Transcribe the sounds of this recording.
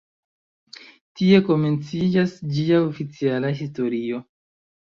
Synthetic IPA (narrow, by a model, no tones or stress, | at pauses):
tie̞ko̞me̞nt͡sid͡ʒasd͡ʒiaofit͡sialaɦisto̞ɾio̞